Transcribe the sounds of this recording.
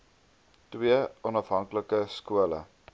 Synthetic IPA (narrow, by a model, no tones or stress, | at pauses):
twiəɔnɐfɦɐŋkləkəskuələ̰